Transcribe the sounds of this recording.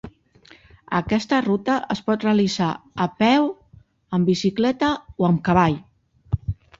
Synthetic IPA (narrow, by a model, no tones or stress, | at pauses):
ə̰kɛst̪ərut̪əʔəspɔt̪reəlizaəpɛw | əmbisiklɛt̪əoəmkəβ̞aʎ